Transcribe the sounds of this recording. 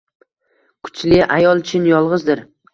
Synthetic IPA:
kʰʊ̥t͡ʃʰlɪʔajɒlˠt͡ʃʰɪnjɒlˠʁɨzd̪ɪɾ

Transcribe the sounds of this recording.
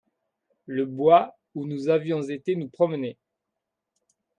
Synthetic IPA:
ləbwa | unuzavjɔ̃zet̪enupχɔməne

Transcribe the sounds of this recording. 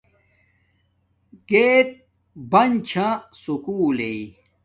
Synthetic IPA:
ɡeːt̪̚ | bɐnt͡ɕʰãsukuːlei

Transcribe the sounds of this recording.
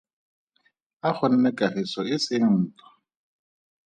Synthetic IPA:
aχʰʊn̩nɛkʼarɪsɔɪsɪŋn̩ːtɔ̥

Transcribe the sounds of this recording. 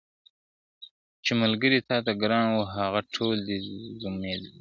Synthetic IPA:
t͡ʃemalɡəɾit̪ʰɑːt̪aɡɾɑːɳwuɦaɣaʈʰoːld̪izumed̪i

